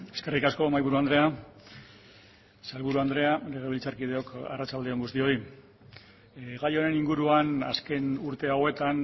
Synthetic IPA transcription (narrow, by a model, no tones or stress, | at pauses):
e̞ske̞rikasko̞majβuɾuand̪ɾe̞a | salβuɾuand̪ɾe̞ale̞ɣ̞e̞β̞ilt͡saɾkið̞e̞o̞ka̰rat͡ʃald̪eo̞ŋɡust̪io̞i | ɣajo̞ɾe̞niŋɡuɾuana̰ske̞nuɾt̪e̞awe̞t̪an